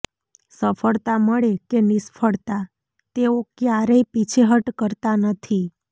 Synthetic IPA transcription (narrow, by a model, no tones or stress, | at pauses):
səfəɭt̪aməɭekenispʰəɭt̪a | t̪eokjaɾəipit͡ʃʰeɦəʈkəɾt̪anət̪ʰi